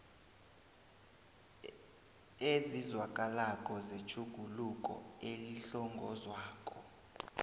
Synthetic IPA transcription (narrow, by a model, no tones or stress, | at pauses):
ezizwakʼalakʼɔzet͡ʃʰʼuɡ̥ʱulukʼɔ̰eliɬɔŋɡʱɔzwaːkʼɔ